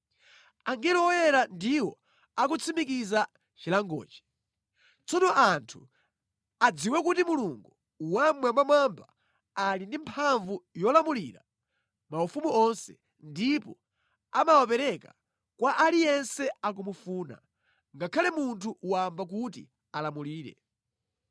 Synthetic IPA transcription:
aŋɡɛlɔwɔjɛɾandiwɔ | akut͡sʰimik̬iza | t͡ʃilaŋɡɔ̰ːt͡ʃi̥ | t͡sɔnɔʔantʰu | ad͡ziwɛkutimuluŋɡu | wamwamamamba̰ | alindimpʰaɱvujɔlamuliɾa̰ | maufumuɔnsɛ̰ | ndipɔ | amawapɛɾɛka̰ | kwaʔalijɛnsɛak̬umufuːna̰ | ŋɡakʰalɛmuntʰuʔuwambak̬utḭ | alamuliːɾɛ̰

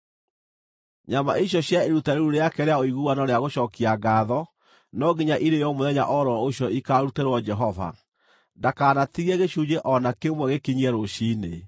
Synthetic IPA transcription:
ɲama̰iɕjɔɕjaeɾutaɾeɾuɾeakɛɾeaoiɣuwanaɾeaɣoɕɔːkiaɡaːðɔ | nɔɡiɲaʔiɾejɔmoðɛɲa̰ʔɔɾɔoɕjɔikaɾuteɾwɔd͡ʒɛɦɔva̰ | ndakaːnatiɣiɛɣeɕud͡ʑeʔɔnakemwɛɣekeɲiɛɾoɕiːne

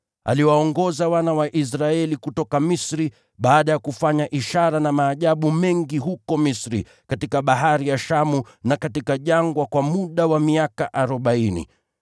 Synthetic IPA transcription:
a̰liwaɔŋɡɔzawanawaʔis̬ɾaɛlikutɔkamisɾi | ɓaːɗajakufaɲaʔiʃaɾanamaːʄaɓumɛŋɡiɦukɔmisɾḭ | katikaɓaɦaɾijaʃamu | nakatikaʄaŋɡwakwamuɗawamiakaʔaɾɔɓainḭ

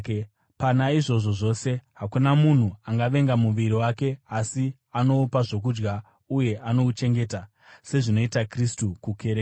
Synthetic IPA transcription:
panaiʐo̞ʐo̞ʐo̞ːse̞ɦakunamun̤uaŋɡaʋe̞ŋɡamuʋiɾiwake̞asi | ano̞upaʐo̞k̬ud͡ʒɡa | uje̞ʔano̞ut͡ʃe̞ŋɡe̞ːta | se̞ʐino̞itakristukukʰe̞ɾeːka

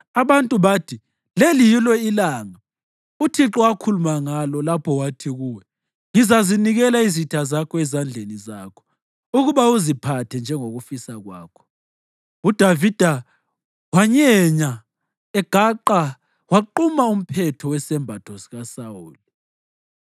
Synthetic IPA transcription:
aβantʼuβatʰi | lelijilɛilaŋa | utʰiǁɔwakʰulumaŋalɔlapʰɔwatʰiɣuːwɛ | ŋizaziniɣɛlaizitʰazakʰɔɛzand͡ɮʱenizakʰɔ̥ | uɣuβauzipʰatʰɛnd͡ʒʱɛŋoɣufisaɣwaːkʰɔ̥ | ud̥ʱavid̥ʱa | waɲɛɲa | ɛɡ̥ʱaǃa | waǃumaum̩pʰɛtʰɔwɛsɛmbʱatʰosiɣasauːli

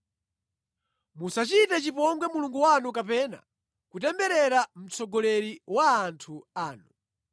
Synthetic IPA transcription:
musat͡ʃitɛt͡ʃipɔŋɡwɛmuluŋɡuwanuk̬apɛna̰ | kutɛmbɛɾɛɾam̩t͡sʰɔɡɔlɛɾiwaːntʰuaːnu

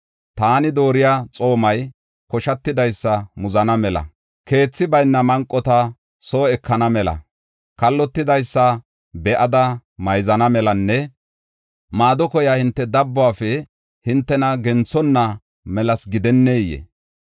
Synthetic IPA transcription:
t̪aːnɪd̪o̞ːɾɪjaːt͡sʼo̞ːmɐj | kɔʃɐt̪ːɪd̪ɐjsːɐmʊzɐnɐmɛlɐ̰ | ke̞ːt͡sːɪbɐjnːɐmɐŋkʼːɔt̪ɐ | so̞ːɛkːɐnɐmɛlɐ̰ | kɐlːɔt̪ːɪd̪ɐjsːɐ | bɛʔɐd̪ɐmɐjzɐnɐmɛlɐnːɛ | maːd̪ɔkɔjahɪnt̪ːɛd̪ɐbːʊaːfɛ | hɪnt̪ːɛnɐɡɛnt͡sːɔnːɐ | mɛlɐsɡɪd̪ɛnːeːjɛ̰

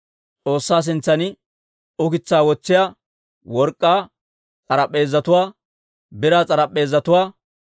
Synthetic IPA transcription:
t͡sʼo̞ːsːaːs̬ɪnt͡sːɐnɪ | ʊkɪt͡sːaːwɔt͡sːɪja | wɔɾkʼːaː | t͡sʼɐɾɐpʼːe̞ːzːɐt̪ʊwaː | bɪɾaːt͡sʼɐɾɐpʼːe̞ːzːɐt̪ʊwaː

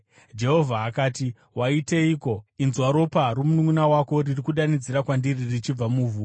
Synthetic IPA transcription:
d͡ʒe̞ɦo̞vʱaɦakaːti | waite̞iːko̞inzwaɾo̞paɾumunuŋunawako̞ririkuɗanid͡ziɾakwandiririt͡ʃib͡vamuːvuːo

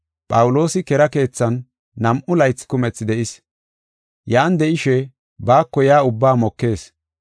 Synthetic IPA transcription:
pʼɐwʊlo̞ːsɪkɛɾɐke̞ːt͡sːɐnː | ɐmʔʊlɐjt͡sːkʊmɛt͡sːd̪ɛʔɪs | jaːnd̪ɛʔɪʃɛ | baːkːɔjaːʊbːaːmɔkːe̞ːs

